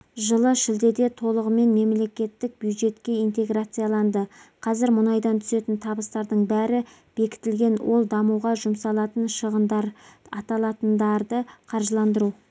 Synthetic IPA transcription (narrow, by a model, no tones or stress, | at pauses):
ʒəlˠəʃɪld̪e̞d̪e̞t̪ʰo̞lˠəʁəme̞nme̞mle̞kʲe̞t̪ːɪk̚bjud̪ʒe̞t̪kʲe̞ijnt̪e̞ɡrat̪sɨjalˠɑnd̪əqʰɑzɪɾmʊnɑjd̪ɑnt̪ʰʏ̥se̞t̪ɪnt̪ʰɑbəst̪ɑɾd̪əɴbæɾɪ | b̥e̞kʲɪ̥t̪ɪlɡʲe̞nwʔo̞lˠd̪ɑmuwʁɑʒʊmsɑlˠɑt̪ənʃəʁənd̪ɑɾɑt̪ɑlˠɑt̪ənd̪ɑɾd̪əqʰɑɾʒəlˠɑnd̪əɾu